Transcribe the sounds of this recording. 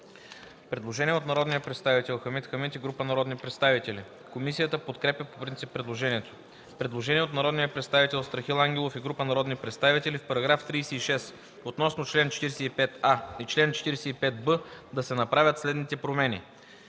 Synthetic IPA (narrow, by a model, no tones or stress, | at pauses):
pɾɛd̪lˠoʒɛnʲiɛot̪nɐɾɔd̪nijəpɾɛt̪st̪avit̪ɛlˠxəmit̪xəmit̪iɡɾupənɐɾɔd̪nipɾɛt̪st̪avit̪ɛli | komisijət̪əpot̪kɾɛpʲjəpo̥pɾint̪sipːɾɛd̪lˠoʒɛniɛt̪o̥ | pɾɛd̪lˠoʒɛniɛot̪nɐɾɔd̪nijəpɾɛt̪st̪avit̪ɛlˠst̪ɾɐxilˠaŋɡʲɛlˠofiɡɾupənɐɾɔd̪nipɾɛt̪st̪avit̪ɛlifpɐɾɐɡɾaft̪ɾiːsɛiʃɛs | ot̪nɔsnot͡ʃlɛnt͡ʃɛ̥t̪iɾɛsɛipɛt̪ait͡ʃlɛnt͡ʃɛ̥t̪iɾɛsɛipɛt̪̚bəd̪ɐsɛnɐpɾavʲət̪slɛd̪nit̪ɛpɾomɛnʲḭ